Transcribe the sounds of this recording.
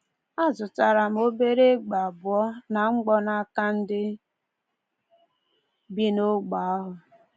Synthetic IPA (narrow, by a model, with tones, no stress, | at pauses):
a˦zʊ˨ta˨ɾa˨m̩˦o˦be˦ɾe˦ɡ͡ba˨a˨bʊ˨ɔ˦na˨ŋ͡m̩˦ɡ͡bɔ˦na˦ka˦n̩˦dɪ˦ | bi˦no˦ɡ͡ba˨a˦ɦʊ˨